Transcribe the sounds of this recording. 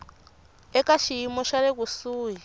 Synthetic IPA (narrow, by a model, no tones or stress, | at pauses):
ɛkaʃijimɔʃaɾekusuːɦi